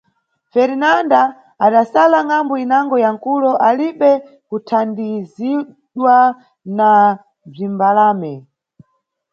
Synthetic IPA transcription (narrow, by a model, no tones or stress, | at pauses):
fɛɾinandaː | ɗasalaŋambɔinaŋɡɔjaŋkulɔʔaliɓɛ | kutʰandizi | ɗwa | na | b͡ʐimbalaːmɛ